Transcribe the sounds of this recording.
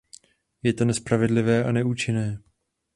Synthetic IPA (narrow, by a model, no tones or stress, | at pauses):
jɛt̪o̞nɛspɾavɛdlɪvɛːʔanɛuːt͡ʃɪnɛː